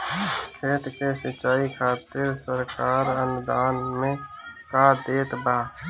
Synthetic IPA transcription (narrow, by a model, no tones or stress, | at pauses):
kʰeːt̪kesət͡ʃːaːikʰaːt̪ɪɾsəɾkaːɾənʊd̪aːnmẽkad̪eːt̪baː